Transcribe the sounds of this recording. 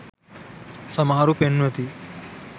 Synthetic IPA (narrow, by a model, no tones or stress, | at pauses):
sɐmaːɾupenʋɐt̪i